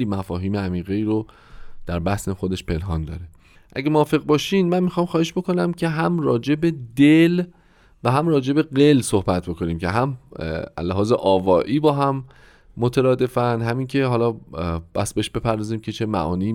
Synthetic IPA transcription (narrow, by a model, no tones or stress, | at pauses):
liːmæfɒːɦiːmeæmiːɣeiːɾo | d̪̥æɾbæsne̞xod̪e̞ʃpʰe̞nɦɒːnd̪ɒ̰ːɾe̞ | ʔæ̰ɟemoɒːfe̞ɣbɒːʃiːnmænmixɒːmxɒːheʃb̥o̞ko̞næmcʰeɦæmrɒːd͡ʒe̞bed̪el | væɦæmrɒːd͡ʒe̞be̞ɢe̞lsohbæt̪̚ʰbo̞kʰo̞niːmcʰe̞ɦæmʔæ̰lːæɦɒːzḛʔɒːvɒːʔiːbɒːɦæmː | ot̪ʰeɾɒːd̪e̞fænd̪ɦæmiːŋkcʰe̞ɦɒːlɒːb̥æ̰sbeeʃbe̞pʰæɾd̪ɒːziːmcʰe̞t͡ʃʰe̞mæ̰ʔɒ̰ːniː